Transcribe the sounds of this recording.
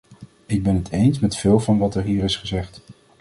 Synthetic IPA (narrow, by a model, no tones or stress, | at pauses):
ɪɡ̚bɛnətʰejnsmɛtfɪːlˠvɑnʋɑtɛɹɦiːɾɪsχəzɛχt